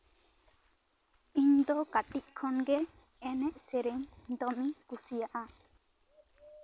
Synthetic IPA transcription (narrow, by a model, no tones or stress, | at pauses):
iɲd̪ɔkaʈiʔ̚kʰɔnɡɛ | ɛnɛʔsɛɾɛɲd̪ɔmikusijaʔa